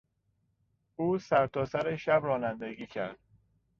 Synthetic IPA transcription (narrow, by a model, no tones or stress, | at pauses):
uːsæɾt̪ʰɒːsæɾeʃæbrɒːnænd̪eɡiːcʰæɾd̪̥